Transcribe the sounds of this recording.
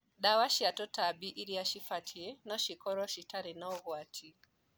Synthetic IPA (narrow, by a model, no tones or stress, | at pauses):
ɗawaʃiatɔtabiʔiɾiaʃifatʰiɛnɔʃikɔɾɔʃitaɾinaɔɣwatʰi